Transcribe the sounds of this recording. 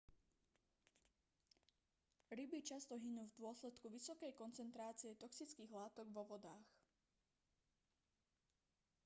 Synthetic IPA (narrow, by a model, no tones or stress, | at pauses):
ɾibit͡ʃast̪ɔɦinuːvd̪ʊɔslɛt̪kuʋisɔkɛjkɔnt͡sɛnt̪ɾaːt͡siɛt̪ɔksit͡skiːɣlaːt̪ɔɡʋɔʋɔd̪aːx